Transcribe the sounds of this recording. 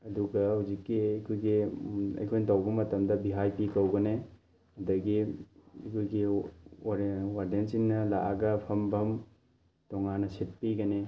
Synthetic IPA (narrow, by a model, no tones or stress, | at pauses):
ɐduɡɐhawzikːiɐkʰojɡiɐ̰jkʰojnɐtɐwbɐmɐtɐmdɐbiɦajpikɐwɡɐne | ɐdɐɡiɐkʰojɡi | ɾwaɾdensiŋnɐla̰ʔaɡɐpʰɐmbʱɐm | tɔŋanɐsit̚piɡɐne